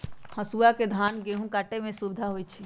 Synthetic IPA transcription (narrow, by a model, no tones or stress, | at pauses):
həsuaked̪ʱaːnɡeɦũkaːʈemẽsubɪd̪ʱaɦoit͡ʃʰi